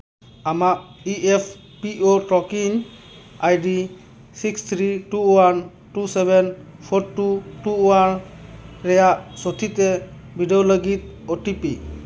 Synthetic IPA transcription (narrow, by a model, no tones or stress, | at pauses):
amak̚iʔepʰ | piʔoʈɔkiŋ | ajdi | sikst̪ʰɾituwan | tusebʱen | pʰɔɾtːuʈuwan | ɾejaʔsot̪ʰite | bʱideoləɡit̪̚ | oʈipḭ